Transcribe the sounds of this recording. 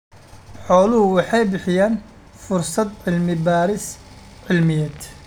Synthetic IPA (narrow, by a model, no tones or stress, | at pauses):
ħoːluwɪħeːbɪħjan | fʊɾˤsˤɑt̪ˤʕɪlmibaːɾɪs | ʕɪlmɪjat̪